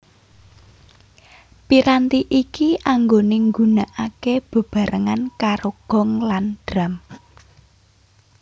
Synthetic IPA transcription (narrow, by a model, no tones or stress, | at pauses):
piɾant̪iʔikiʔaŋɡoneŋɡunaʔakeb̥ə̤b̥a̤ɾəŋankaɾoɡ̥ɔ̤ŋlanɖ̥ɾam